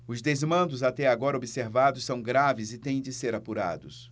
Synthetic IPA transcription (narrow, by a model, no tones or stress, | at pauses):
ʊzd̪ezmɐ̃nd̪ʊzat̪ɛaɡɔɾɐobiseɾvad̪ʊssːɐ̃w̃ɡɾavɪzɪt̪ẽj̃d͡ʒɪseɾapuɾa̰d̪ʊs